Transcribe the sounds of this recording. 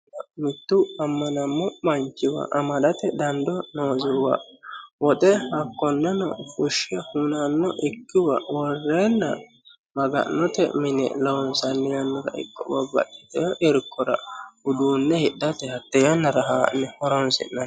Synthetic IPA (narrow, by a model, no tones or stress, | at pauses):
mɪt̪ːʊɐmːɐnɐmːɔmɐnt͡ʃːɪwɐ̰ʔɐmɐd̪ɐt̪ɛd̪ɐnd̪ɔnoːzɪwɐ̰wɔt̪ʼɛhɐkːɔnːɛnɔ̰fʊʃɛhunɐnːɔʔɪkːɪwɐwɔrːeːnːɐ̰ | mɐɡɐ̰nːɔt̪ɛ̰mɪnɛ̰lɐwɔnsɐnːɛjɐnːɔɾɐ̰ʔɪ̰kʼːɔ̰bɐbɐ̰ʔɪt̪ɛʔɪɾkʰːɔɾɐ̰hʊd̪uːnːɛhɪd̪ːɐt̪ɛhɐt̪ːɛjɐnːɐɾɐɦaːnːɛhɔɾɔnsɪ̰nːɐn